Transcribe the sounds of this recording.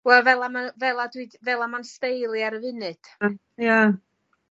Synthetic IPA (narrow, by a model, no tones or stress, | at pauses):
wɛlˠvɛlˠamanvɛlˠadwidvɛlˠamanstejlˠjaɾəvɨnɨd̥ | ja